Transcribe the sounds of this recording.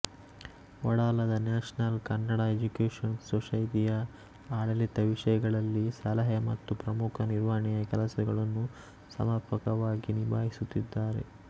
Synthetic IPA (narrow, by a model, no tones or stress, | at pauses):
ʋɔɽaːlɐd̪ɐnaːʂnɐlkɐnːɐɽaed͡ʒukeːʂɐnsoʂɐjt̪ijɐ | aːɽɐlit̪ːɐʋiʂɐjɐɡɐɭɐlːisɐlɐɦemɐ̰t̪ːupɾɐmukʰɐniɾʋaːɐɳijɐkɛlɐsɐɡɐɭɐnːu | sɐ̰mɐɾpʰɐkɐʋaːɡinibaːɦisut̪ːid̪ːaːɾe̞̰